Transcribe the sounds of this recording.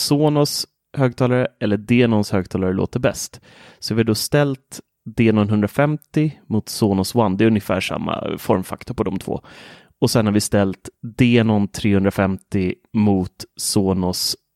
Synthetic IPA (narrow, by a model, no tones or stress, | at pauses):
soːnɔs | høːɡ̚t̪ʰɑːlaɾəɛlːəd̪eːnɔnshøːɡ̚t̪ʰɑːlaɾəlo̰ːt̪əɾbɛ̰st̪ | sɔvɪaɖɔst̪ɛlt̪ | d̪eːnɔnɦɵnd̪ɾafɛmt̪ɪmʊt̪soːnɔswanːd̪ɛɵnjəfæ̰ːʂa̰mːa̰fɔɾmfa̰kt̪ʊɾpɔd̪ɔmt̪ʰvo̰ː | ɔsɛnhaɾvɪst̪ɛlt̪d̪eːnɔnt̪ʰɾeːhɵnd̪ɾafɛmt̪ɪmuːt̪soːnɔs